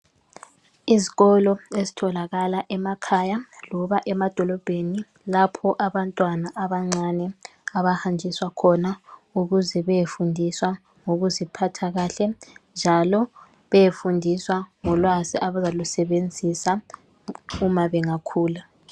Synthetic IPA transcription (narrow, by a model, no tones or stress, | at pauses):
iziɣɔlɔezitʰɔlaɣalaʔɛmakʰaːjalɔβaʔɛmad̥ʱɔlɔb̥ʱeni | lapʰɔʔaβantʼwanaʔaβaŋ͡ǀanɛ | aβahand͡ʒʱiswakʰɔnauɣuzɛβɛjefundʱiswa | ŋoɣuzipʰatʰaɣaːɬɛnd͡ʒʱalɔ | βɛjefundʱiswaŋɔlwaziʔaβazalusɛβend͡zʱisa | umaβɛŋakʰuːla